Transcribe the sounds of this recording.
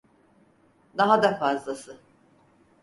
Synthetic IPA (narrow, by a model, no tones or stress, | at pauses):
d̪aɦad̪afazlˠasɯ